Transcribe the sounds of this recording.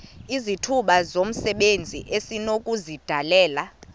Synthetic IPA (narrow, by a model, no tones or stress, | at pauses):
izitʰuɓazom̩sɛɓend͡zʱiʔesinokʼuzid̥ʱalɛːla